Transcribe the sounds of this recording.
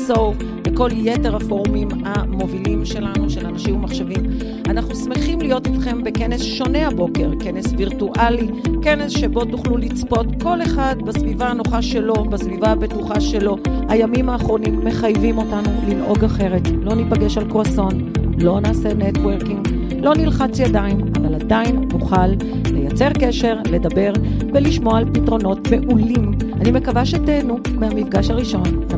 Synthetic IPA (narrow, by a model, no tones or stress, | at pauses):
sof | beko̞lje̞te̞ʁafo̞ʁmim | amo̞vilimʃe̞lanuʃe̞lanaʃimmaχʃevim | anaχnusmeχimlijo̞titχe̞mbe̞ke̞ne̞sʃo̞ne̞abo̞ke̞ʁke̞ne̞sviʁtuʔali | ke̞ne̞sʃe̞bo̞tuχlulit͡spo̞tko̞le̞χadbasvivaano̞χaʃe̞lo̞basvivaabe̞tuχaʃe̞lo̞hajamimaːχʁo̞nimːe̞χajvimo̞tanulinʔo̞ɡaχe̞ʁe̞tlo̞nipaɡe̞ʃalkoaso̞n | lo̞naːse̞netwe̞ʁkiŋɡ | lo̞nilχat͡sjadaimavaladainːuχalː | e̞jat͡se̞ʁke̞ʃe̞ʁle̞dabe̞ʁveliʃmo̞aalpitʁo̞no̞tme̞ʔulim | anime̞kavaʃetenu | mehamifɡaʃaʁiʃo̞n